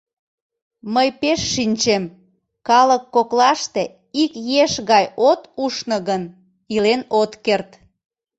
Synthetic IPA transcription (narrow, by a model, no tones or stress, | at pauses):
məjpeʃːinʲt͡ɕem | kɑləkːoklɑʃt̪e | ikjeʃɣɑjot̪uʃnəɣən | ilenot̪kert̪